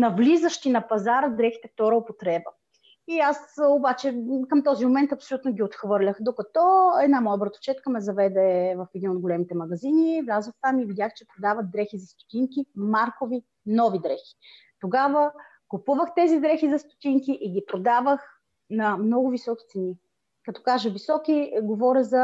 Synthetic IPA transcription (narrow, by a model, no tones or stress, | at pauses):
nɐvlizəʃt̪inɐpɐzaɾəd̪ɾɛxi̥t̪ɛft̪ɔɾəopot̪ɾɛbə | iasobat͡ʃɛkəmt̪ɔzimomɛnt̪ɐpsolʲut̪noɡʲiot̪xvɤɾlʲəxd̪okɐt̪ɔɛd̪namɔjəbɾət̪o̥t͡ʃɛt̪kəmɛzɐvɛd̪ɛvɐfɛd̪inod̪ɡolɛmit̪ɛmɐɡɐzinivlʲazəft̪amivid̪ʲjaxt͡ʃɛpɾod̪avɐt̪̚d̪ɾɛxizɐst̪o̥t̪iŋkimaɾkovi | nɔvid̪ɾɛxi̥ | t̪oɡavə | kʊpuvəxt̪ɛzid̪ɾɛxizɐst̪o̥t̪iŋkiʔiɡʲipɾod̪avəx | nɐmnɔɡʊvisɔkʲi̥t̪sɛni | kɐt̪ɔ̥kaʒəvisɔkʲiɡovɔɾʲəzɐ